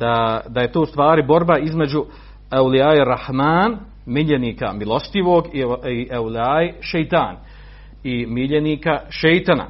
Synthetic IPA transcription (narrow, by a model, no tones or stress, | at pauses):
d̪̥ad̪aje̞t̪oːust̪ʋaːɾibo̞ɾbaizme̞d͡ʑu | awliaːiɾahmaːn | miʎeniːka̰milˠo̞st̪iʋoːɡiiʔawliaːiʃejt̪aːn | imiʎeniːkaʃejt̪ana̰